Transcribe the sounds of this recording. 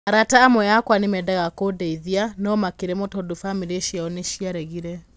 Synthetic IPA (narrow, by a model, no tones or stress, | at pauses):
aɾataːmwɛjakwanemɛdaɣakodɛiðianɔmakeɾɛmotodofamiɾieʃaɔneʃiaɾɛɣiɾɛ